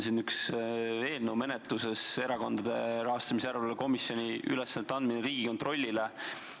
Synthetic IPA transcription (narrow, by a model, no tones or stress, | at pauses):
sinːyksve̞ːlnume̞net̪luse̞se̞ɾɑko̞nd̪̥ɑd̪̥e̞ɾɑɦɑst̪ɑmiseæɾeleko̞misjo̞nʲiʔy̰lɛsːɑnːet̪ːɑnd̪̚mineɾiːɡ̥iko̞nt̪ro̞lʲːile